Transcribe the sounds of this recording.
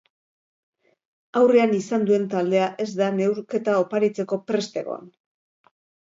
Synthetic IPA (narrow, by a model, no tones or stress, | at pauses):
awreanisand̪ue̞nt̪ald̪e̞aʔe̞zd̪ane̞wɾke̞t̪ao̞paɾit͡se̞ko̞pɾe̞st̪e̞̰ɣo̰a̰n